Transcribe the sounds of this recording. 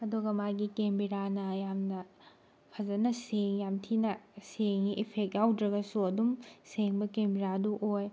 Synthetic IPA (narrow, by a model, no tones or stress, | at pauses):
ɐduɡɐmajɡikembiɾanɐjamnɐ | pʰɐzɐnɐseŋjamtʰinɐseŋiʔipʰek̚tjawdɾɐɡɐsuɐdumseŋbɐkembiɾaduʔoj